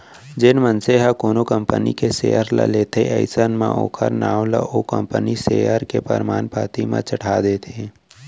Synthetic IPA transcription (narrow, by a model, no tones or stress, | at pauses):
d͡ʒɪnmənseɦakoːnokəmpənikeseːəɾla̰leːt̪ʰeʔə̰ɪsənmã̰ʔo̰ːkʰəɾnaːwla̰ʔokə̰̃mpəniseəɾkepə̰ɾmaːnpaːt̪imã̰t͡ʃəʈʰaːd̪et̪ʰeː